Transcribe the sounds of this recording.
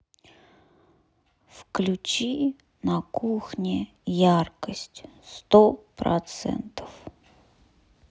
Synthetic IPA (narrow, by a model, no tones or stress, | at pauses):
fklʲut͡ɕi | nɐkuxnʲɪ | jarkəsʲtʲst̪opɾɐ̰t̪sɛ̰nt̪ə̥f